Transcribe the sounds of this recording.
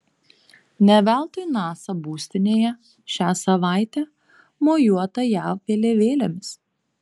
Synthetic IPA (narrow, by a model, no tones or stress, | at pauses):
nʲɛʋʲæˑlˠt̪ʊjnɑːsɐbuːsʲt̪ʲɪnʲeːjɛ | ʃʲæːsɐʋɑˑɪt̪ʲæ | moːjuɔt̪ɐjæːˑʋʲeːlʲeːʋʲeːlʲemʲɪs